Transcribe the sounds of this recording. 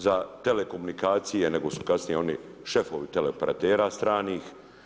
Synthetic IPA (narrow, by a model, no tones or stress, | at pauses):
zat̪ele̞ko̞munikaːt̪sijene̞ɡo̞su̥kasnijeo̞ni | ʃe̞foʋit̪eleopeɾa̰t̪eːɾaːst̪ɾaːniːx